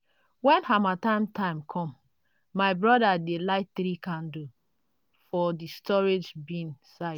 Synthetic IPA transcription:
wɛ̃nhamatãɪ̃mtʰãɪ̃mkʰɔ̃mː | aɪbɹɔdadelaɪk̚θɾikãndu | fɔdistɔɹed͡ʒbĩnsaɪ

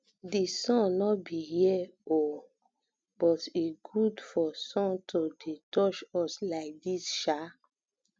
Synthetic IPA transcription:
disɔ̃nnɔbijɛo | b̥ɔtiɡudfɔsɔ̃ntʰodetɔt͡ʃɔslaɪk̚disʃa

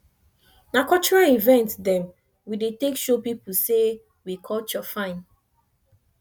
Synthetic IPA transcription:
nakɔt͡ʃɔɹalivɛ̃ntdɛ̃m | widetekʃopipuse | wikʰɔlt͡ʃɔfãɪ̃n

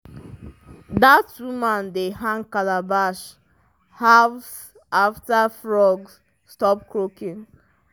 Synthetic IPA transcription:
datːumãndeɦãŋkalabaʃ | has | aftafɹɔɡs | stɔp̚kɹokĩŋ

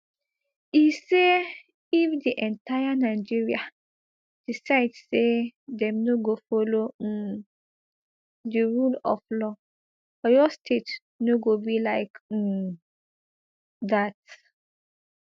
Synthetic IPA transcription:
ise | ifdiʔɛ̃ntajanaɪd͡ʒiɹia | d̥isaɪdsedɛ̃mnoɡofolo | diɹulɔ̰flɔ | ɔjɔstʰet | noɡobilaɪk̩ | dat̚

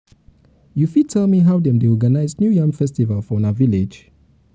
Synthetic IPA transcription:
jufid̚tʰɛlmiɦawdɛ̃mdeɔɡanaɪznjujãŋfɛstivalfɔ̃naviled͡ʒ

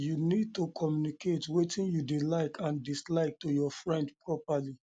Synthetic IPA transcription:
junid̚tokʰɔmjuniketwetʰĩnjudilaɪkʰãndislaɪk̚tojɔfɹɛ̃ndpɹɔpali

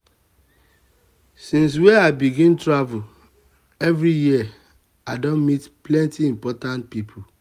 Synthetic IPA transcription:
sĩns̬wɛaɪbiɡĩntɹavul | ɛvɹijiə | adõnmitplɛ̃ntiĩmpɔtãnt̚pipʰu

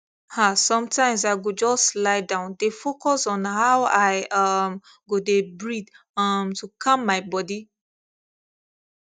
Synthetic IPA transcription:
hasɔ̃mtʰãɪ̃ms̬aɪɡod͡ʒɔslaɪdãʊ̃ndefokɔsɔ̃nɦaʊaɪʌm | ɡodebɹid | ʌmtukʰammːaɪbɔdi

